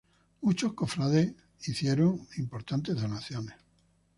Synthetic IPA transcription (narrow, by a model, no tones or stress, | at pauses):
mut͡ʃo̞hko̞fɾaðeh | iθje̞ɾoŋimpo̞ɾt̪ant̪e̞ɦðo̞naθjo̞neh